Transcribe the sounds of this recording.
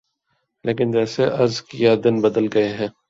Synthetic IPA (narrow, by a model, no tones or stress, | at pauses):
leːkɪnd͡ʒɛːseʔɐɾzkijad̪ɪnbɐd̪əlɡɐeɦɛ̃ː